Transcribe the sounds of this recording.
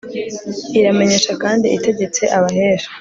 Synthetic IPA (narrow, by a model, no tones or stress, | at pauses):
iɾame̞ɲe̞ʃakaːndiʔite̞ɟe̞t͡se̞ʔaβaɦe̞ːʃḁ